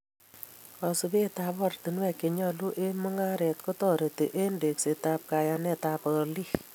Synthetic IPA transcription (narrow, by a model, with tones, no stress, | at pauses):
ɔ˨su˨be˦ta˨pɔ˨rt̪i˨nwɛ˦˨ke˨ɲɔ˧lu˦ʔe˦mu˦ŋa˦ɾɛ˨tko˦tɔ˨ɾe˨te˨ʔe˦nde˨kse˨tap̚ka˨ja˧nɛ˨ta˨pɔ˨li˦